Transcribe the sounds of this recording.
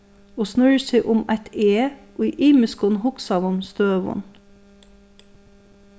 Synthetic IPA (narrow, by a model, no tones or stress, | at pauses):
oːsnʉɹseːʔʊmæɪt̪eːʔoiʔiːməskʊnhʊksɑːʋʊmst̪øːʋʊ̰n